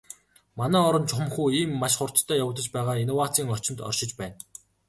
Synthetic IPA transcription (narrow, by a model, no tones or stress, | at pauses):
manæːɔɾɞ̆nt͡ɕʰʊ̆mχuːiːmːaʃχʊr̥t̪t̪ʰːœːjaw̆t̪ə̆t͡ɕpæːʁaːinowat͡siːŋɔt͡ɕɪ̆mt̪ɔ̰rʃɪ̆t͡ɕpæːn